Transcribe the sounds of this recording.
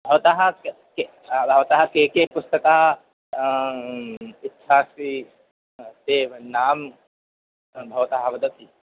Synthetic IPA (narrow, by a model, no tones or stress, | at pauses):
bʱɐʋt̪aɦɐk | ke | bʱɐʋt̪aɦɐkeːkepʊst̪ɐkaːɦɐ | ɪt̪ːʃaːsi | t̪eːnaːm | bʱɐʋt̪aɦɐʋɐd̪ɐt̪i